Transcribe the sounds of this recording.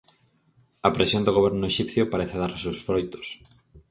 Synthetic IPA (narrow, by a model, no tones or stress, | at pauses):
ɐpɾesjond̪oɣoβɛɾnʊeʃipθjopaɾeθaðaɾsewsfɾojt̪o̥s